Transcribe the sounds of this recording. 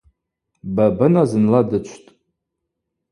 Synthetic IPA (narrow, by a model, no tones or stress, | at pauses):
babɨnazɨnladɨt͡ʃʷʰtʼ